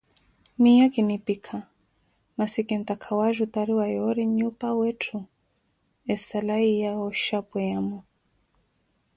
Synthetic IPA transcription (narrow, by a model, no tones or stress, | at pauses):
mijakinipikʰa | masikɛnt̪akʰawaʒutaɾiwajɔɾiɲupawɛtʰu | ɛsalaijaɔʃapɛjamɔ